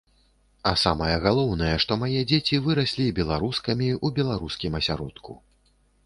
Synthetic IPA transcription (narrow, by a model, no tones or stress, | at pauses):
ɐsamɐjɛɣalˠɔwnɐjɛʂt̪ɔmajɛd͡zʲet͡sʲivɨɾasʲlʲibʲɛlˠaɾuskɐmʲiubʲɛlˠaɾuskʲimɐsʲaɾɔt̪kʰṵ